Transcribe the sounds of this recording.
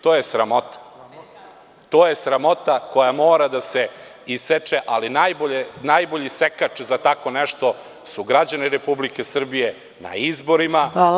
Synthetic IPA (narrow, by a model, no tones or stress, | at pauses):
t̪oːje̞sɾamo̞t̪ḁ | t̪o̞ːje̞sɾamo̞t̪ako̞jamoːɾad̪ase̞ | iset͡ʃeʔalinajboʎenajbo̞ʎisekat͡ʃzat̪ako̞nɛʂt̪o | suɡɾad͡ʑaniɾepublike̞sr̩bije̞ | na̰izbo̞ɾima